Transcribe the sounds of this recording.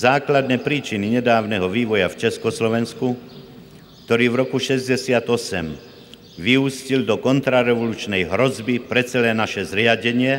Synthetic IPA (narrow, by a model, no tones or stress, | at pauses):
zaːklad̪nɛːpɾiːt͡ʃiniɲɛd̪aːʊnɛɦɔʋiːʋɔjaft͡ʃɛskɔslɔʋɛnsku | k̚t̪ɔɾiːvɾɔkuʃɛzɟɛsɪat̪ɔsɛm | ʋiuːscild̪ɔkɔnt̪ɾaɾɛʋɔluːt͡ʃnɛjɦɾɔzbipɾɛt͡sɛlɛːnaʃɛzɾɪaɟɛɲɪɛ